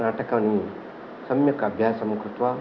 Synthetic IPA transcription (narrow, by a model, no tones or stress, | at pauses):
naːʈʰɐkaːni | sɐmjɐkɐbʱjaːsɐmukɾut̪ʋa